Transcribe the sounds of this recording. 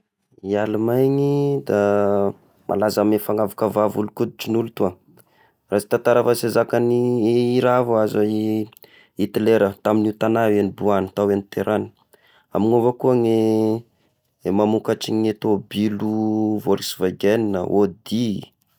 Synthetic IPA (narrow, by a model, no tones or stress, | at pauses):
ialumajŋid̪a | mʔa̰lazamefaŋavukəvavulukud̪̚iʈ͡ʂinulut̪ua | rasi̥t̪at̪aɾafasezakaniiɾavuazai | it̪ileɾət̪aminiut̪anawanibuanət̪awenit̪eɾani̥ | a̰miŋovəkuəŋe | mamukaʈ͡ʂiŋet̪obiluvoɾisivaɡeninə̰ʔod̪i